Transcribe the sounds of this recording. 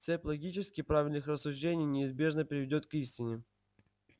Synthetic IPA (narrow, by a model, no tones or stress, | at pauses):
t̪sɛpʲlˠɐɡʲit͡ɕɪskʲɪpɾavʲɪlʲnɨxrəsːʊʐdʲenʲɪjnʲɪɪzbʲe̞ʐnəpʲɪɾʲɪvʲɪdʲo̞t̪kisʲtʲɪnʲɪ